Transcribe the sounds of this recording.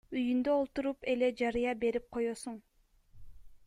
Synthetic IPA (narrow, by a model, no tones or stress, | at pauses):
yjynd̪øolˠt̪uɾupeled͡ʒɑɾɯjɑbe̞ɾip̚qʰo̞josuɴ